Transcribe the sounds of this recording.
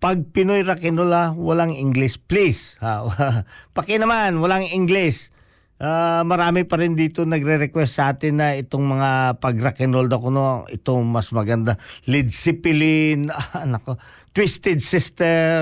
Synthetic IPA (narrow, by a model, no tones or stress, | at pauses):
pɐɡ̚pɪnojɾɐkɪnolawɐlaŋɪŋɡlɪsplishaapɐkɛnɐmanwɐlaŋɪŋɡlɪs | ʔamɐɾaːmɪpɐɾɪnd̪iːt̪onɐɡɾɛɾɛkwɛst̪ːsɐʔaːt̪ɪnːɐɪt̪oŋmɐŋapɐɡɾɐkɪnold̪ɐkono̰ŋʔɪ̰t̪oŋmɐsmɐɡɐnd̪alɪd̪sɪpɪlɪnaɐnɐko | t̪wist̪ɛd̪̚sɪst̪ɛ